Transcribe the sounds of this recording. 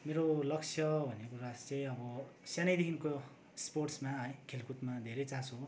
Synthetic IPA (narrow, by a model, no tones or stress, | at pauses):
meɾolʌk̚t͡sʰjʌbʱʌnekuɾast͡sʌjʌbʌsjanʌjd̪ekinko | sporsmaɦʌjkʰelkut̪mad̪ʱeɾʌjt͡sãso